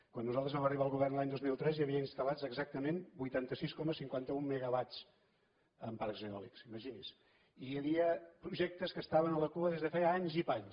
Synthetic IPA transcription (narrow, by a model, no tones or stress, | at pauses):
kwanːuzalˠt̪əzβɛməriβaəlˠɣuβɛrnlaɲd̪ozmilˠt̪ɾɛzjəβiəinst̪əlad͡zəɡzak̚t̪əmenbujt̪ant̪əsiskɔməsiŋkwant̪əumːeɣəβat͡s | əmparkzeɔliksiməʒinis | ijəβiəpɾuʒɛk̚t̪əskəst̪aβənələkuəðezðəfɛaɲzipaɲ